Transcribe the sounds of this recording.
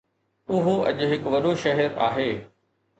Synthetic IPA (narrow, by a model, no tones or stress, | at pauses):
ʊɦoʔɐ̰ʄʊɦɪkʋɐɗoʃɐɦɛɾa̰ːɦeː